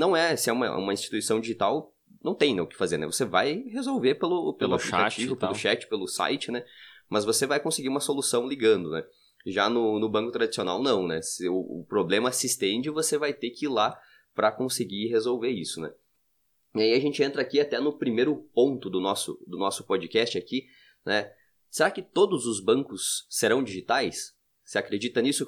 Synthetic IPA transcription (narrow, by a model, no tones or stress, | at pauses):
nɐ̃w̃ɛsɪɛũmɐ̰ṵ̃mɐĩst͡ʃi̥t̪uisɐ̃w̃d͡ʒiʒit̪aw | nɐ̃w̃t̪ẽj̃nɛʊkɪ̥fazeɾnɛ̰voseva̰jhezowveɾpelʊpelʊaplikat͡ʃivʊpelʊʃɛt͡ʃɪ̥pelʊsa̰jt͡ʃɪnɛmɐzvosevajkõsɪɡiɾũmɐsolusɐ̃w̃liɡɐ̃nd̪ʊnɛ̰ | ʒanʊnʊbɐ̃ŋkʊt̪ɾad͡ʒisiona̰wnɐ̃w̃nɛsɪʊʊ̰pɾoblẽmɐsɪst̪ẽnd͡ʒɪvosevajt̪ekɪila | pɾɐkõsɪɡiɦezowveɾisʊnɛ̰ | iaiaʒẽnt͡ʃɪẽnt̪ɾɐakiat̪ɛnʊpɾimejɾʊpõnt̪ʊd̪ʊnɔsʊ̰d̪ʊnɔsʊ̥pod͡ʒikɛst͡ʃɪaki | nɛ | seɾakɪt̪od̪ʊzʊzbɐ̃ŋkʊsːeɾɐ̃w̃d͡ʒiʒit̪ajsː | ɪakɾed͡ʒit̪ɐnisʊ